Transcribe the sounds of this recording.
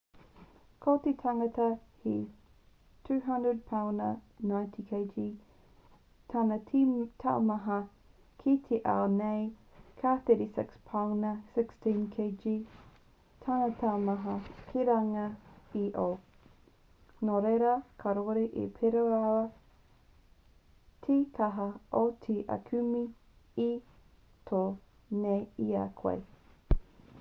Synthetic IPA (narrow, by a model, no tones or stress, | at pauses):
kʰotetʰaŋɐtɐhi | tʰʉːɦɐndɹəd̚pʰawnənajntʰikʰejd͡ʒi | tʰanɐtʰa̰wmɐɦɐ | kʰit̪ʰeʔa̰wnejkʰaθeɾisɪ̰kspʰawnɐsɪkstĩnkʰeɪd͡ʒi | tʰanat̪ʰamɐɦɐkʰiɾaŋɐiʔo | noɾeɾɐkʰaɾoɾeʔḛpʰeɾoaɐ | tʰit̪ʰaɦɐʔotʰiʔɐ̰kʰʉmi | i | tʰo | neia̰kʰwḛj